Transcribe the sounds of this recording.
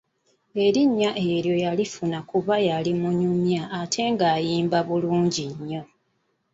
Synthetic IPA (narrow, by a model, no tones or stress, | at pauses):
e̞ɾiɲːaʔeɾjo̞jalifunakuβajalimuɲumjaːtʰe̞ŋɡaːjiːmbaβuluːɲɟiɲːo̞